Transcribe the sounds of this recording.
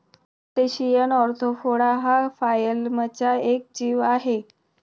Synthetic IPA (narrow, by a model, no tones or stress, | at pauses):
t̪eɕijanɔɾt̪ʰofoɽaɦafajəlmət͡ɕaek̚d͡ʑiːʋaɦe